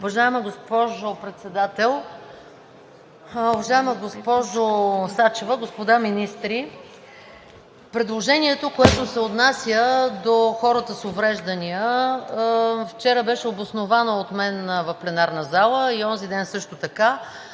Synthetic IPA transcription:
ʊvɐʒaɛmɐɡospɔʒopɾɛt̪sɛd̪at̪ɛlˠ | ʊvɐʒaɛməɡospɔʒosat͡ʃevəɡospod̪aminist̪ɾi | pɾɛd̪lˠoʒɛniɛt̪okoɛt̪osɛot̪nasʲjəd̪oxɔɾət̪əsovɾɛʒd̪ənijə | ft͡ʃɛɾəbɛʃɛobosnovanoːt̪mɛnvɐfplɛnaɾnəzalˠəiɔnzid̪ɛnsɤʃt̪ot̪ɐka

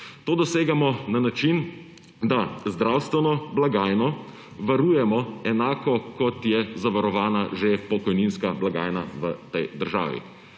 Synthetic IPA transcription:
t̪oːd̪ɔseːɡamɔnanat͡ʃin | d̪azd̪ɾawst̪ʋɛnɔblaɡaːjnɔ | ʋaɾuːjɛmɔɛnaːkɔkɔt̪jɛzaʋaɾɔʋaːnaʒepɔkɔjninskablaɡa̰ːjnaʋət̪ɛjd̪əɾʒa̰ːʋḭ

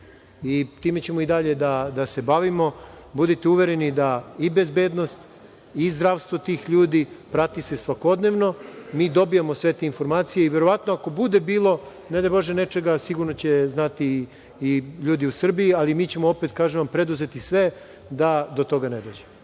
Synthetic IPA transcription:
it̪iːmet͡ɕe̞moid̪aʎe̞d̪ad̪ase̞baʋimo̞bud̪it̪euʋeɾenid̪aibe̞zbeːd̪no̞st̪ | izd̪ɾaʋst̪vʋo̞t̪iːxʎuːd̪ipɾat̪ise̞sʋako̞d̪ne̞ʋno̞miːd̪o̞bijamosʋet̪einfo̞ɾmaːt̪sijeiʋe̞ɾo̞ʋat̪noako̞bud̪ebiːlˠo̞ | ned̪ajbo̞ʒenet͡ʃe̞ɡasiɡuɾnot͡ɕeznat̪iː | ʎuːd̪iusr̩bijialimiːt͡ɕe̞moopet̪kaːʒeʋampɾe̞d̪uze̞t̪isʋe | d̪ad̪ot̪o̞ɡaned̪o̞ːd͡ʑem

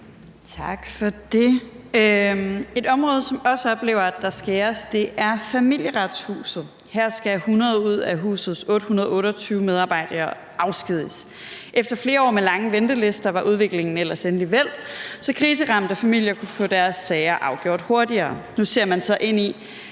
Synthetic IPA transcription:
t͡sʰɑ̈ɡ̥fɒ̽d̥e̝ | øe̝d̥ɒ̽mʁɔ̽ːð̞̩ˠsɒ̽mɒ̽səɒ̽b̥le̝̰ːʊɐæd̥ɑ̈sɡ̥æɒsd̥e̝ʔæɐfæmil̰jəʁɑd̥shṵːsð̩ˠ | hæɐ̰sɡ̥æhunɐðˠuð̞̰ˠæɦṵːsð̩ˠsɔ̽ːɾ̥əhunɐð̞ˠɔ̽ːɾɐt͡sʰyːʊmeðˠɑ̈ːb̥ɑ̈ɪ̰d̥ɐː | ʔɑ̈ʊsɡ̥ið̞̰ˠəs | ʔefd̥ɐfle̝ːɐɒ̰ːmelɑ̈ŋəʋend̥əle̝sd̥ɐʋɑ̈ʔuð̞ˠʋe̝ɡ̥le̝ŋn̩el̰ɐsenliʋel̰sɒ̽kʰʁiːs̬əʁɑ̈m̰d̥əfæmil̰jɐkʰufɔ̰d̥æɐsːɛɪɐʔɑ̈ʊɡ̥jo̝ɐ̰d̥ho̝ɐdiɐːnuse̝ɐmænsɒ̽ʔe̝n̰i

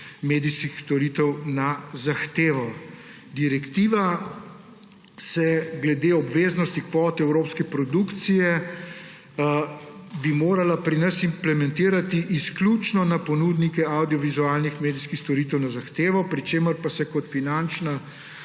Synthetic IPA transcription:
meːd̪iskixst̪ɔɾiːt̪ɛwnazaxt̪eːʋɔw | d̪iɾɛkt̪iːʋa | sɛɡlɛd̪eːɔbʋeːznɔst̪ikʋɔːt̪ɛɛwɾoːpskɛpɾɔd̪uːkt̪sijɛ | bimoːɾalapɾinɐsimplɛmɛ̃nt̪iːɾat̪iʔisklut͡ʃnɔnapɔnud̪nikɛawd̪iɔʋizuaːlnixmeːd̪iskixst̪ɔɾit̪ɛwnazaxt̪eːʋɔpɾit͡ʃeːməɾpasɛkɔt̪finant͡ʃna

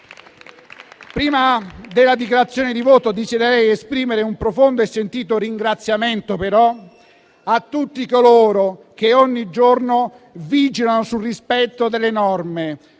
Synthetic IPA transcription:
pɾiːmad̪elːad̪ikjaɾat̪sːjoːnɪd̪ivoːt̪od̪isid̪eɾɛjespɾiːmeɾeumpɾofond̪oesːent̪iːt̪oɾiŋɡɾat̪sːjament̪opeɾɔ | at̪ːut̪ːikoloːɾo | k̟eɔɲːid͡ʒorno | vid͡ʒilanosulrispɛt̪ːod̪elːenɔrme

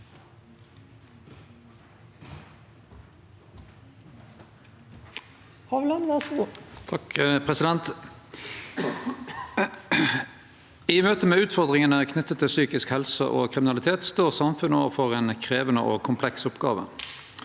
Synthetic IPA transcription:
hɑʋlɑnʋɑʃɡuːt̪ʰɑkpʰʁɛsɪd̪ɛnt̪ | iːmøːt̪əmeːʉːt̪fɔʁd̪ʁɪŋənəkʰnʏt̪ːət̪ʰːɪlsyːkɪskhɛlsə̰ʔo̰ːkʰʁɪmɪnɑlɪt̪ʰeːt̪st̪oːʁsɑmfʉnoːʋəfɔʁeːnkʰʁeːʋənə̰ʔo̰ːkʰʊmpʰlɛksʊpɡɑ̰ːʋə̰

